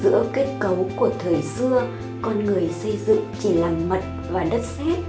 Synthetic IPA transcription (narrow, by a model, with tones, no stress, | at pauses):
zɨ̰˧˥əke˦˥t̚kə˨˦wku˧˩ət̪ʰəː˨˩jsɨ˧ə | kɔ˧nŋɨ˨˩əjsə˧jzɨ̰˧˨ŋt͡ɕi˧˩laː˨˩mːə˨˩t̚ | vaː˨˩ɗə˦˥t̚sɛ˦˥t̚